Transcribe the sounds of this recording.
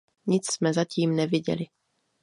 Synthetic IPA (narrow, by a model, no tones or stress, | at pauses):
ɲɪt͡ssmɛzaciːmnɛvɪɟɛ̰lɪ